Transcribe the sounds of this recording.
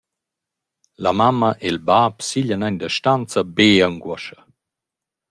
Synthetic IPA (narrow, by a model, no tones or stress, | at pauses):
lamamaʔelbaːpsiʎanaɲd̪əʃtant͡sabeəŋɡwɔʃə̥